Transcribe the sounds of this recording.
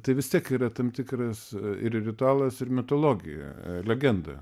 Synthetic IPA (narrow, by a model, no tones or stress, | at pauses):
t̪ɐɪʋʲɪst̪ʲiɛkiːɾɐt̪ɐmt̪ʲɪkɾɐsɪɾrʲɪt̪ʊɑːlˠɐsɪɾmʲɪt̪oːlˠoːɡʲɪ̰jɛ̰lʲɛɡʲɛnd̪ɐ̰